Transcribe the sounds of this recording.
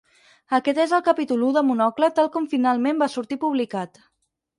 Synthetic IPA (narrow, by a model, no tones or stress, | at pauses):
əkɛt̪ezəlˠkəpit̪uluðəmunɔklət̪alˠkɔmfinalˠmẽmbasuɾt̪ipuβlikat̪